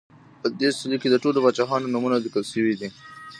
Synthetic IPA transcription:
pəd̪esɪliked̪əʈolobɑt͡ʃɑxɑnonumunazɪkəlʃəwid̪i

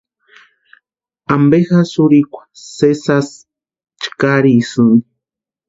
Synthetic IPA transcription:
ambexasuɾikʷḁsesas | t͡ʃkaɾisɨn

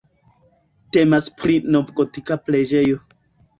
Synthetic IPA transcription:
temaspɾinovɡotikapled͡ʒejo

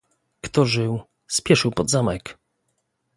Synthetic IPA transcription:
kt̪ɔʐɘw | spʲjɛʂɘwpɔd̪zamɛk

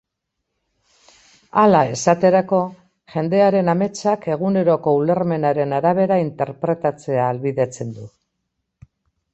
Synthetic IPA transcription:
alae̞sat̪e̞ɾako̞ | ʝe̞nd̪e̞aɾe̞name̞t͡sake̞ɣ̞une̞ɾo̞ko̞ule̞ɾme̞naɾe̞naɾaβ̞e̞ɾaint̪e̞ɾpɾe̞t̪at͡se̞aːlβiðe̞t͡se̞nd̪u

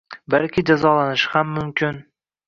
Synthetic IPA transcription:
balkʲʰɪd͡ʒazɒlanɪʃɪhamːʊmkʲɪn

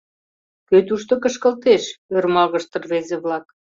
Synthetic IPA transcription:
køt̪uʃt̪okə̆ʃkə̆lt̪eʃørmɑɣəʃt̪ə̆rβezeβlɑk

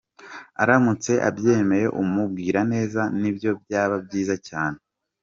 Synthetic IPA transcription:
a̰ɾamut͡se̞ʔa̰bje̞me̞je̞ʔumub̚ɡiːɾane̞ːzanibjo̞b̚jaːβabɟiːzacaːne

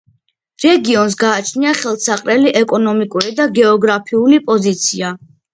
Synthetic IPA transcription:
ɾɛɡiɔns̬ɡaːt͡ʃʰniaχɛlˠsaqʼɾɛliʔɛkʼɔnɔmikʼuɾid̪aɡɛɔɡɾapʰiulipʼɔzit̪sʰia

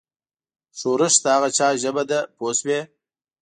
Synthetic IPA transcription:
ʂoɾəʃt̪aaɣat͡ʃɑːʒəbad̪aposwe

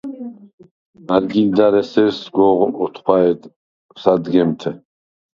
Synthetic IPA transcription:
aɾɡind̪aɾɛsɛɾsɡɔʁɔt̪ʰχwaɛd̪ | sad̪ɡɛmt̪ʰɛ

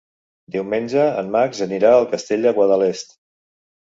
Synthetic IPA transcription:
d̪iwmenʲʒəənmakzəniɾaəlˠkəst̪eʎʲd̪əɣwaðəlest̪

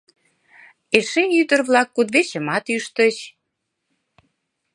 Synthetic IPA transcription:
eʃeyd̪ə̆rβlɑkːud̪βeɕə̆mɑt̪yʃt̪ə̆t͡ɕ

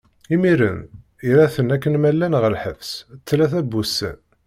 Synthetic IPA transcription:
imiɾə̰n | iɾæθənækːənmælːænʁəlħəfst͡sːlæθæbusə̰n

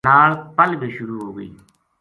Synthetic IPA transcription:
aːɾpəlbiʃʊɾuːɦoːɡəḭː

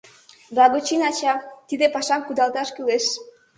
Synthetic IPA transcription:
blɑɣot͡ɕinɑt͡ɕɑt̪id̪epɑʃɑmkud̪ɑlˠt̪ɑʃkyleʃ

